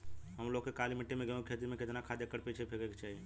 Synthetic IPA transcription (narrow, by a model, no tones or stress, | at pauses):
ɦəmloɡkːekalimiʈːemẽɡẽkʰet̪̬iɾmeket̪nakʰad̪jekːəɾpet͡ʃʰebʰʱeɡəke̥t͡ʃaɦi